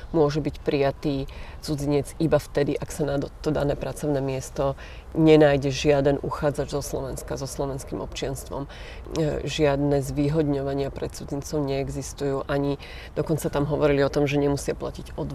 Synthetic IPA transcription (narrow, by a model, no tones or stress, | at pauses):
mʊɔʒɛbicpɾijat̪iːt͡sud͡ziɲɛd͡zibaft̪ɛd̪iʔaksanad̪t̪ɔd̪anɛːpɾat͡sɔʊnɛːmɪɛst̪ɔ | ɲɛnaːjɟɛʒɪad̪ɛnʔuxaːd͡zad͡ʒzɔslɔʋɛnskazɔslɔʋɛnskimɔpt͡ʃɪanst̪ʋɔ̰m | ʒɪad̪nɛːzʋiːɦɔd̪ɲɔʋaɲɪapɾɛt̪t͡sud͡zint͡sɔʊɲɛɛɡzist̪ujuːʔaɲi | d̪̥ɔkɔnt͡sat̪amɦɔʋɔɾiliɔt̪ɔmʒɛɲɛmusɪaplaciɟɔd̪